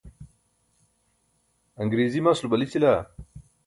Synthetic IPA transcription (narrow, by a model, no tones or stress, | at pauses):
ɐŋɡɾeːzimasulubɐlit͡sila